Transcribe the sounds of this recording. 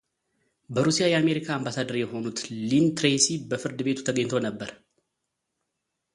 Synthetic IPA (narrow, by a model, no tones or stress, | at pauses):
bəɾusijajɛame̞ɾikʰaːmbasad̪əɾjɛɦo̞nut̪lint̪ɾesibəfɨɾd̪ɨbe̞t̪ʰu̥t̪ʰəɡəɲːt̪ʰo̞nəbːəɾ